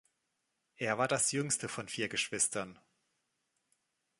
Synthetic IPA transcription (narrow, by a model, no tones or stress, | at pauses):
ʔeːɐvaːɐdasjʏŋstəfɔnfiːɐɡəʃv̥ɪstɐn